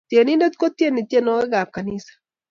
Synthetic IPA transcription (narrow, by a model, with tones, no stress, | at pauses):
tje˨ni˦ndɛ˦t̪ko˦t̪je˦ni˨t̪e˦nɔ˨˦wɛ˦ɣa˨p̚ka˨ni˦sḁ˨